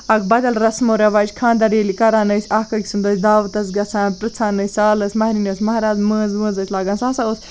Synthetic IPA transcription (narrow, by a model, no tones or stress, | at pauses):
ɐkʰbɐd̪ɐlɾɐsmoːɾɐʋaːt͡ʃʲkʰãːnd̪ɐɾeːlikɐɾaːnɐsʲaːkɐkʲi̥sɨnd̪oːsʲd̪aːʋət̪ɐsɡɐt͡sʰãːnʈɨt͡sʰaːnɐsʲsaːlɐsʲmɐɦɾinɐsʲmɐɦɾaːzməːnzʋə̃ːnzɐsʲʰlaːɡɐnsaːsaos